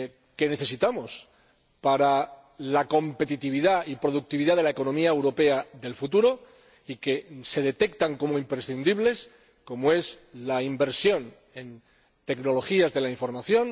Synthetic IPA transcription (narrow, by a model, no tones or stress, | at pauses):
ke̞ne̞θe̞s̬it̪amo̞s | paɾa | lako̞mpe̞t̪it̪iβiðaipɾo̞ðuk̚t̪iβiðaðe̞lae̞ko̞nõ̞miaewɾo̞pe̞aðe̞lfut̪uɾo̞ | ike̞se̞ðe̞t̪e̞kt̪aŋko̞moimpɾe̞sθind̪iβle̞s | ko̞moe̞zlaimbe̞ɾsjo̞n | e̞n | t̪e̞kno̞lo̞xiazðe̞laiɱfo̞ɾmaθjo̞n